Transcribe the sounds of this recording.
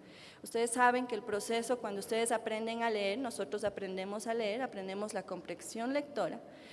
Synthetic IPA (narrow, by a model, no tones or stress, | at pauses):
ust̪e̞ðesːaβe̞ŋkeːlpɾo̞se̞so̞kwand̪oust̪e̞ðesapɾe̞nd̪eŋaleeɾno̞so̞t̪ɾosapɾe̞nd̪e̞mo̞saleeɾapɾe̞nd̪e̞mo̞zlako̞mpɾeksjo̞nle̞k̚t̪o̞ɾa̰